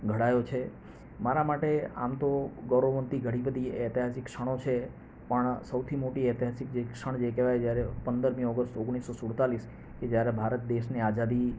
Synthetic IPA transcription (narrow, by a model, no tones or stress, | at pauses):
ɡʱəɽajot͡ʃʰe | maɾamaʈea̰mt̪oɡɔɾoʋənt̪iɡʱəɽ̃ibəd̪ʱiɛt̪iɦasɪkːʃəɽ̃ot͡ʃʰe | pəɳsəwt̪ʰimoʈiɛt̪iɦasɪk̚d͡ʒekʃəɳ̃d͡ʒekeʋajd͡ʒjaɾepənd̪əɾmiɔɡəst̪ʊɡɽ̃isːosuɽt̪alis | ked͡ʒjaɾebʱaɾət̪̚d̪eʃnead͡ʒad̪i